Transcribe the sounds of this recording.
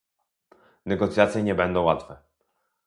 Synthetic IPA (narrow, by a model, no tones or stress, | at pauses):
nɛɡɔt̪sʲjat̪sjɛɲɛbɛnd̪ɔ̃wat̪fɛ